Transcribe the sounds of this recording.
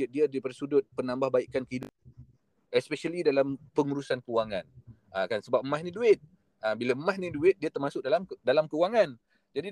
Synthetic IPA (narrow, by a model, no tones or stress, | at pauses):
ət̪̚diadipərsudʊt̪̚pənambahbaiʔkankəidə̰ | ɛspɛʃalidalampəŋuɾusankəuwaŋãn | akansəbap̚maɦnĩduɪt̪̚ | abilaəmasnĩduɪt̪̚diat̪ərmasʊk̚dalamdalamkəuwaŋan | d͡ʒadi